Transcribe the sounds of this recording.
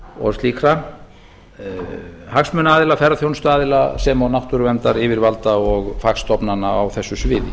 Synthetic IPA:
ɔ̰ɣsliːkɾa | haksmʏnaːðɪlafɛɾaθjownst̪aːðɪlasɛmawnawht̪ʏɾʏvɛnt̪aɾɪvɪɾvalt̪aɔɣfakst̪ɔpnanːaawθɛsːʏsvɪːðɪ

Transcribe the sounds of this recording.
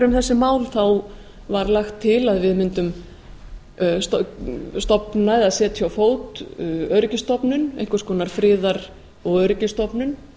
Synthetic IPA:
ɾʏmθɛsːɪmaːwlθaw | vaɾlaxt̪ʰːɪlaðvɪðmɪnt̪ʏm | stst̪ɔpnaɛðaðsɛːt̪çjawfoːwt̪œɾɪcɪst̪ɔpnʏnejhŋkvʏskʰɔːnaɾ̥fɾɪːðaɾ | ɔɣœɥɾɪcɪst̪ɔpnʏn

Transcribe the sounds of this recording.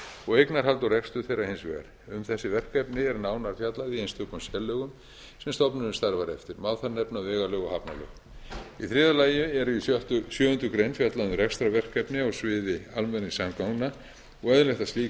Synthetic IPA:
ɔɣejknaɾ̥ɦalt̪arɛkst̪ʏθejrːahɪnsvɛ̰ɣa̰ɾ | ʏmθɛsːɪvɛr̥kɛpnɪɛɾnaːwnaɾfjat̪laðiejnst̪ʰʏːkʏmsjɛlːœɣʏm | sɛmst̪ɔpnʏɾʏmst̪aɾvaɾɛft̪ɪɾmaːwθaɾnɛpnavɛːɣalœɣɔhapnalœ̰ɣ | iθɾɪːðalaːjʏɛɾit̪ʏsjœːhʏnt̪ʏkɾejnfjat̪lanʏɾrɛkst̪ɾavɛr̥kɛpnɪawsvɪːðɪalmɛnːɪsamkawna | ɔɣɛðlɛht̪asliː

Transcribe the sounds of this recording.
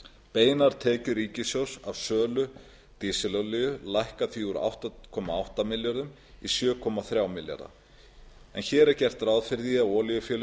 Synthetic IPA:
peːjnaɾ̥t̪ʰɛːcʏɾiːcɪsjowsavsœːlʏ | t̪isɪlɔlʏjʏlajhkaθviuɾa̰wht̪akʰɔːmaawht̪amɪljaɾðʏm | isjœːkʰɔmaθɾjawmɪlja̰ɾa̰ | ɛ̰nçɛːɾɛɾcɛr̥t̪rawðfɪɾðiavɔːlijʏfjɛːlʏ

